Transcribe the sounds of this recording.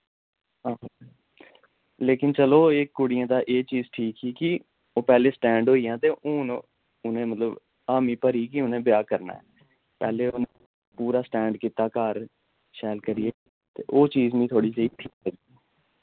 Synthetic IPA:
aː | leːkɪnt͡ʃəloːeːkːʊɽɪjãːd̪aːʔeːt͡ʃiːzʈʰiːkɦiːkɪ | oːpɛːleːsʈɛ̃ːɳɖɦoːijãːt̪eːʔʊ̃ːn | ʊnẽːmət̪ləb | aːmiːpəɾiːkiʊnẽːbɪjaːkəɾna̰ːɛ̰ː | pɛːleːone | puːɾaːsʈɛ̃ːɳɖkiːt̪aːkaːɾ | ʃɛːlkəɾieː | t̪ḛːʔoːt͡ʃiːzmĩt̪ʰoːɽiːt͡ʃəiːʈʰiːkːəɡiɛ

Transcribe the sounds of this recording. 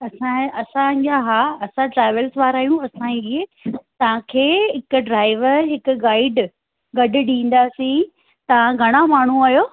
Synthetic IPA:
ɐsãɐsãd͡ʑaɦaːɐsãʈɾaːɪʋəlsʋaːɾaːɦijũɐsãiet̪ɐʋ̤ãkʰeːɦɪkʊɖɾaːɪʋəɾɦɪkʊɡaːɪɖ | ɡɐɖʊ̆ɗĩːn̆d̪aːsĩ | t̪ɐʋ̤ãɡʱɐɽ̃amaːɳ̤uaːjoː

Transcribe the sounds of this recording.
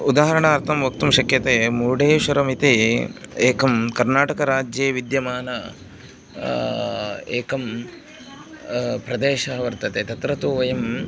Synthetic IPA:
ud̪aːɦɐɾɐɳaːɾt̪ʰɐmʋɐk̚t̪umʃɐkjɐt̪eːmuːɖeːʃɐɾɐmit̪e | eːkɐmkɐɾnaːʈɐkɐɾaːd͡ʒjeːʋid̪jɐmaːnɐ | eːkɐm | pɾɐd̪eːʃɐɦɐʋɐɾt̪ɐt̪eːt̪ɐt̪ɾɐt̪uːʋɐjɐm

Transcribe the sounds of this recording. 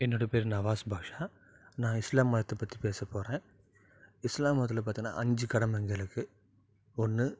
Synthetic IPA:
ɛnːoːɽɐpeːɾnɐʋaːsbʱaːkʂaː | nãːɪslaːmːɐjɐt̪ːɐpːɐt̪ːipeːsɐpːoːɾẽː | ɪslaːmːɐːɐt̪̬ːɪlɐpaːt̪iŋɡɐna̰ːʔɐɲd͡ʒɯkɐɽɐmɐŋɡɐlɯkːɯ | ɔnːɯ

